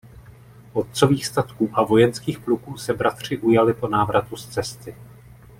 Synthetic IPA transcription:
ʔo̞t̪̚t͡so̞viːxst̪at̪kuːʔavo̞jɛnskiːxplukuːsɛbɾat̪r̝̥ɪʔujalɪpo̞naːvɾat̪ust͡sɛst̪ɪ

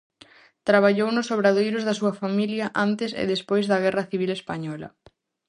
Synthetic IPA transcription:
t̪ɾaβ̞aʎownʊsoβɾaðejɾʊzðɐsuɐfamiljɐʔant̪esḛðespojzðɐɣ̞ɛrɐθiβ̞ilespaɲɔlɐ̰

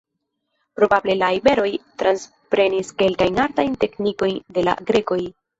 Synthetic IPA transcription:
pɾo̞bable̞laibe̞ɾo̞jtɾans | pɾe̞niske̞lkajnaɾtajnte̞kniko̞jnde̞la̰ɡɾe̞ko̞j

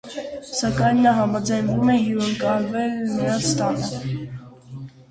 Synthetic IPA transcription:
sɑkɑjnːɑɦɑmɑd͡zɑjnvumɛjuəŋkɑlvɛlnɑst̪ɑnə

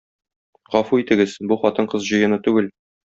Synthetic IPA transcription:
ʁɒfuit̪ɘ̆ɡɘz̥buχɒt̪ɤɴqɤzʑɤ̆jɤ̆nɤt̪ʉɡɘl

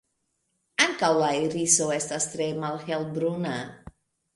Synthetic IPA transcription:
aŋkawlaiɾisowɛst̪ast̪ɾemalxɛlbɾuna

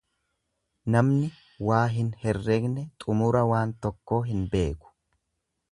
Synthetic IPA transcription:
nɐmnɪ | waːɦɪnhɛrːeːɡnɛt̪ʼʊmʊɾɐwaːnt̪ɔkːo̞ːɦɪnbe̞ːkʊ̥

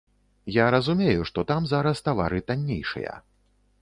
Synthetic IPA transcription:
jaɾɐzumʲejuʂt̪ɔt̪amzaɾɐst̪ava̰ɾɨt̪anʲːejʂɨ̰jɐ̰

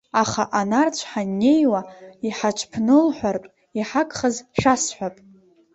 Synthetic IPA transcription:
aχaʔanart͡ɕʷʰħanːe̞jwaiħat͡ʃʷʰʼpʰnɨlħʷartʼ | iħakʼχəzʂasħʷᶣapʼ

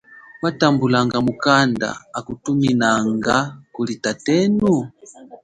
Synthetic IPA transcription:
watambulaŋɡamukanda̰ːkutuminaŋɡakulitatɛnu

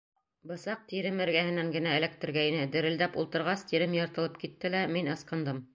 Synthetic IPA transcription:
bɤ̆sɑq̚t̪iɾɘmɘ̆ɾɡæhɘ̆næŋɡɘ̆næɘ̆læk̚t̪ɘ̆ɾɡæinɘd̪ɘ̆ɾɘ̆ld̪æpṵlˠt̪ɤ̆ɾʁɑst̪iɾɘmjɤ̆ɾt̪ɤ̆lˠɤpkit̪ːɘlæminɤ̆sqɤ̆nd̪ɤm

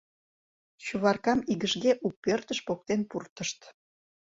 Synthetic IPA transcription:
t͡ɕuβɑrkɑmiɣəʃɣeʔuk̚pørt̪əʃpok̚t̪enpurt̪əʃt̪

